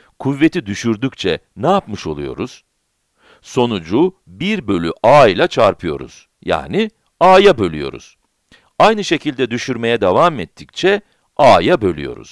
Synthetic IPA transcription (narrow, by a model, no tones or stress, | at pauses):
kʰuvːe̞t̪ʰid̪yʃyɾd̪yc̚t͡ʃʰɛ̰ | nɛjapmɯʃo̞̰lˠṵjo̞̰ɾuz̥ | so̞nud͡ʒu | biɾbø̞lʲyʔaːilʲˠat͡ʃʰaɾpʰɯjo̞̰ɾṵz̥ | ja̰ːni | aːjabø̞lʲyjo̞̰ɾṵz̥ | ajnɯʃe̞cilʲd̪ɛd̪yʃyɾme̞jɛd̪avamɛt̪ʰːic̚t͡ʃʰɛ | aːjabø̞lʲy̰jo̞̰ɾṵz̥